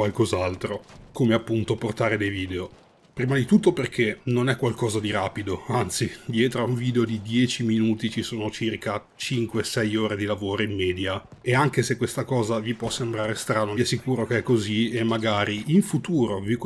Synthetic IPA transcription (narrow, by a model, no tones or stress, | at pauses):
walkozalt̪ɾokoːmeapːunt̪oport̪aːɾed̪ejviːd̪eo | pɾiːmad̪it̪ut̪ːoperkʰenonɛkːwalkɔːzad̪iɾaːpid̪oant̪sid̪jɛːt̪ɾoauɱviːd̪eod̪id̪jɛːt͡ʃiminuːt̪it͡ʃisoːnot͡ʃirka | t͡ʃiŋkwesɛjoːɾed̪ilavoːɾoimːɛːd̪ja | eaŋk̟esekːwest̪akɔːzavipwɔsːembɾaːɾest̪ɾaːnoɛsikuːɾokeɛkːoziemːaɡaːɾiiɱfut̪uːɾovi